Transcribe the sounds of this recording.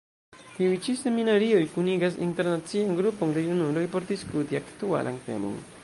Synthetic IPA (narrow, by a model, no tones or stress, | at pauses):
t̪iujt͡ʃise̞minaɾio̞jkuniɡas̬ḭnte̞ɾnat͡siaŋɡɾupoŋd̪e̞junulo̞jpo̞ɾd̪iskut̪iakt̪ua̰lʔa̰ŋt̪e̞̰mo̰ŋ